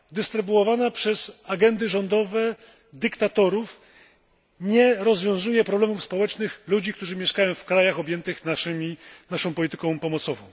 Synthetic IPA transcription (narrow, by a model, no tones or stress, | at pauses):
d̪ɘst̪ɾɘbuɔvanapʂɛz̥aɡɛnd̪ɘʐɔnd̪ɔvɛ | d̪ɘkt̪at̪ɔɾuf | ɲɛɾɔzvʲjɔ̃w̃zujɛpɾɔblɛmufspɔwɛt͡ʂnɘxlud͡ʑik̚t̪uʐɘmʲjɛʂkajɔ̃w̃fkɾajaxɔbʲjɛnt̪ɘxnaʂɘmʲinaʂɔ̃w̃pɔlʲit̪ɘ̥kɔ̃w̃pɔmɔt̪sɔvɔ̃w̃